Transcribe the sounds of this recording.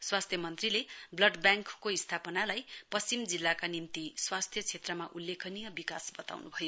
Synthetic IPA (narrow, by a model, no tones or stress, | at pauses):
swast̪ʰjʌmʌnt̪rileblʌɖbjaŋkːoist̪ʰapʌnalajpʌst͡simd͡zilːakanimt̪iswast̪ʰjʌt͡sʰet̪rʌmaʔulːekʰʌnijʌbikasbʌt̪a̰wnubʱʌjo